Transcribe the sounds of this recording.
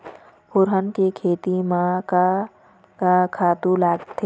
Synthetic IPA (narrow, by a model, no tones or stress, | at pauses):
pʊɾɦənkekʰeːt̪imãka | kakʰaːt̪ulaːɡt̪ʰe